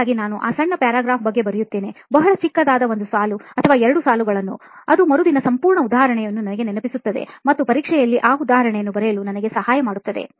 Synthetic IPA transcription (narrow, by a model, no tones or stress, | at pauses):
ɡinaːnuʔa̰ːsɐɳːɐpjaːɾaːɡɾaːfbɐɡːe̞bɐɾijut̪ːe̞ːne̞bɐɦɐɭɐt͡ʃikːɐd̪aːd̪ɐʋo̞nd̪usaːluɐt̪ʰɐʋaːɛɾɐɽusaːluɡɐɭɐnːṵ | ɐd̪umɐɾud̪inɐsɐmpuːɾɳɐud̪aːɦɐɾɐɳɛjɐnːunɐnɐɡe̞nɛnɐpisut̪ːɐd̪e̞̰mɐt̪ːupɐɾiːkʂɛjɐlːiʔaːud̪aːɦɐɾɐɳɛjɐnːubɐɾejɐlunɐnɐɡe̞sɐhaːjɐmaːɽut̪ːɐd̪e̞̰